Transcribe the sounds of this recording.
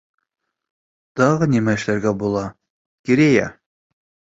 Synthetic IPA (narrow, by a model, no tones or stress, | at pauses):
t̪ɑʁɤnimæɘ̆ʃlæɾɡæbulˠɑ | kʲiɾejæ